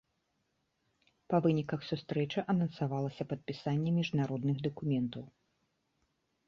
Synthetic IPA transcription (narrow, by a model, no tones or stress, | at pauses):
pɐvɨnʲikɐxsust̪ɾɛt͡ʂɐʔɐnɐnsavalˠɐsʲɐpɐt̪̚pʲisanʲːɛmʲiʐnaɾɔd̪nɨɣd̪ɐkumʲɛnt̪ɐw